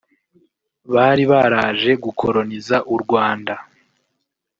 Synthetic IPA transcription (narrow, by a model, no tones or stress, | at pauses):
βaːɾiβaɾaːʒe̞ɡukʰo̞ɾo̞nizaʔuɾɡwaːnda